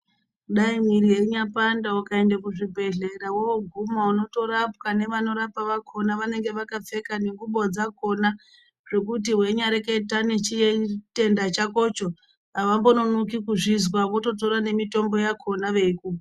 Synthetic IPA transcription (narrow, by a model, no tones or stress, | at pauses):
ɗaimwiɾije̞ɲapandawakae̞ndakuʐibʱe̞ɮe̞ɾawooɡʱumauno̞to̞ɾapkane̞ʋano̞ɾapaʋakʰo̞naʋane̞ŋɡe̞ʋakap͡fe̞kaneŋɡuɓod͡zako̞na | ʐ̥e̞kut̬iɦwe̞ɲaɾeketanet͡ʃijete̞ndat͡ʃako̞t͡ʃo | aʋambo̞no̞nukikuʐizwaʋo̞to̞to̞ɾane̞mito̞mbo̞jakʰo̞naʋe̞iku